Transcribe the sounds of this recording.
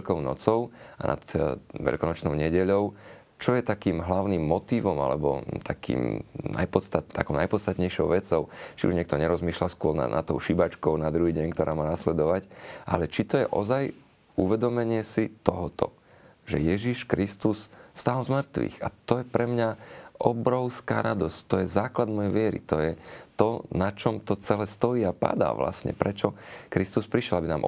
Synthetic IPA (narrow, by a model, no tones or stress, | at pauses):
ʎkɔʊnɔ̰t͡sɔʊana̰t̪ʋɛ̰ʎkɔnɔt͡ʃnɔʊɲɛɟɛʎɔʊ | t͡ʃɔjɛt̪akiːmɦlaʊnimːɔt̪iːʋɔma̰lɛ̰bɔ̰t̪ʰakḭːmna̰jpɔt̪st̪at̪a̰kɔʊnajpɔt̪t͡sst̪at̪ɲɛjʃɔʊʋɛt͡sɔʊt͡ʃiṵʒɲɛk̚t̪ɔɲɛɾɔzmiːʃlaskʊɔɾna̰nʔa̰t̪ːɔʊʃibat͡ʃkɔʊnad̪ɾuɦiːɟɛɲkt̪ɔɾʔaːmaːnaslɛd̪ɔʋacʔa̰lɛt͡ʃit̪ɔjɛʔɔ̰zaj | uʋɛd̪ɔmɛɲɪɛsit̪ɔɦɔt̪ɔ̰ | ʒɛjɛʒiʃkɾist̪usfst̪aːlzmrɾt̪ʋḭxat̪ɔjɛpɾɛmɲaʔɔbɾɔʊska̰ːɾad̪ɔsct̪ɔjɛzaːklad̪mɔjɛjʋɪɛɾḭt̪ɔjɛt̪ɔnat͡ʃɔmt̪ɔt͡sɛlɛːst̪ɔjiːapa̰d̪a̰ːʋla̰sɲɛ̰pɾɛt͡ʃɔkɾist̪uspɾiʃjɛlabinaːmʔ